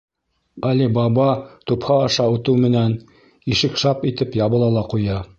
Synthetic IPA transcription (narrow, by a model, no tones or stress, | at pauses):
ɑlibɑbɑt̪uphɑːʃɑut̪ɤwmɘ̆næn | iʃɘkʃɑpit̪ɘpjɑβɤ̆lˠɑlˠɑqujɑ